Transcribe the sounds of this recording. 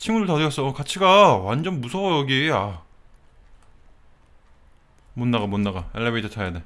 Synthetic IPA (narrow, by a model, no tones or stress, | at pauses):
t͡ɕʰimudɯɭtʌdɯɾjʌs͈ʌkat͡ɕʰiɡawand͡ʑʌnmusʰʌjʌɡia | monːaɡamonːaɡaeɭːebetʰʌt͡ɕʰajade